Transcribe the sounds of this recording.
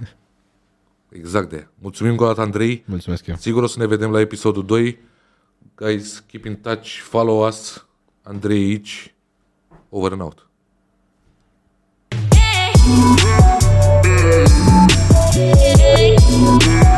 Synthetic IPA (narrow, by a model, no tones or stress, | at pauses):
ḛɡzakt̪ḛamult̪sumimɨŋko̞d̪at̪əand̪ɾe̞julsumesksiɡuɾosəne̞ve̞d̪e̞mlae̞pisod̪ud̪o̞j | ɡ̥ajzkʲipiŋt̪at͡ʃfalowas | and̪ɾejit͡ʃ | oveɾna̰wt̪